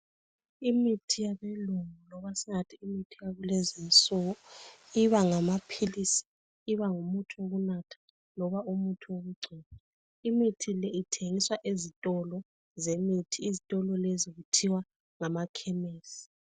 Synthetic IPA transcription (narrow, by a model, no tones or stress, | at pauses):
imitʰijaβeluŋulɔβasiŋatʰiːmitʰijaβɛlɛzint͡sʼɔɣɔiβaŋamapʰilisi̥ | iβaŋumutʰuoɣunatʰḁ | lɔβaʔumutʰuoɣuɡ͡ǀʱina | imitʰilɛitʰeŋiswaʔezitʼɔlɔ | zemitʰiːzitʼɔlɔleziɣutʰiwa | ŋamakʰɛmeːsi̥